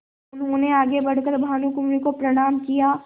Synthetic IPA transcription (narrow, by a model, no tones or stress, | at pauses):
ʊnɦõneaːɡebɐɽ̤kəɾbʱaːnukʊmɾikopɾɐɽ̃aːmkijaː